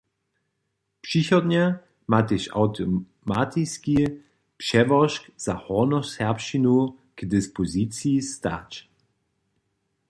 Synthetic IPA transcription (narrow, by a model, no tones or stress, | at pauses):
pʃiçɔdɲa | mat̪ɪʃa̰ʊtʰo | mat̪ʰiski | pʃɛvɔʃkz̥ahɔnɔshɛɐpʃinu | kdɪspozit͡sjista̰ːt͡ʃ